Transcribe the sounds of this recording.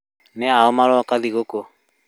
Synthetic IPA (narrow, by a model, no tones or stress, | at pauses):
nɛaɔmaɾɔakaliɡoko